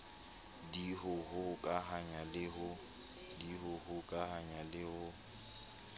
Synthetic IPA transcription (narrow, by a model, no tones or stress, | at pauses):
diɦʊhʊkʼaɦaɲalɪɦʊ | diɦʊhʊkʼahaɲalɪhʊ